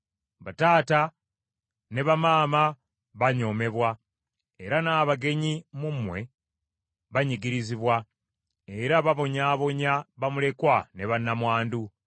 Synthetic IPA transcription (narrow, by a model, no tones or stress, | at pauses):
βataːta | ne̞βamaːma | βaɲo̞ːme̞βwa | eɾanaːβaɡe̞ɲimumwe̞ | βaɲiɡiɾiziβwa | eɾaβaβo̞ɲaːβo̞ɲaβamule̞kwane̞βanːamwaːndu